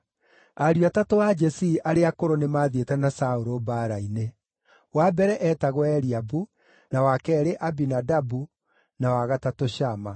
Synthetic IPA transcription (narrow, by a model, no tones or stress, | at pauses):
aɾuatatoad͡ʒɛsiʔaɾeakoɾonemaːðetɛnasaoɾobaɾaine | wabɛɾɛʔɛtaɣwɛɾiabu | nawakɛːɾeʔabinadabu | nawaɣatatoɕama